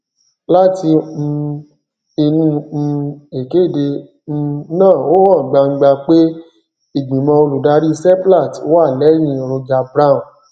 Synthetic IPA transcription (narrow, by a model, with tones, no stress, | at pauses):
la˦tĩ˧ | e˧nũ˦˧ | e˨ke˨˦˨dẽ˧ | nãː˦˨o˦hɔ̃˦˨ɡ͡ba˧ŋ̩˧ɡ͡ba˧k͡pe˦ | i˦˨ɡ͡bĩ˨mɔ̃˧o˧lu˨da˧˦ɾi˦˧sɛ˦pla˦˨to˦wa˦˨lɛ˨˦j̃ĩ˧˨ɾo˧d͡ʒa˧bɾã˦˨